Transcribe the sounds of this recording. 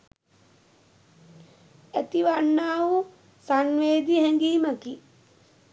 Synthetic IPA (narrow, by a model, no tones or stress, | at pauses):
æt̪iʋaɳːaːʋu | sanʋeːd̪ihɛŋɡiːməki